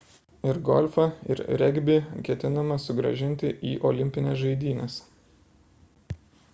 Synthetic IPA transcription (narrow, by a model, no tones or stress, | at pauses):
ɪɾɡɔlʲfɐɪ̰ɾɾʲɛɡʲbʲiːkʲɛt̪ʲɪnɐmɐsʊɡɾɐ̰ʒʲɪnʲt̪ʲɪʔiːʔɔlʲɪmʲpʲɪnʲɛsʒɐɪd̪ʲiːnʲɛs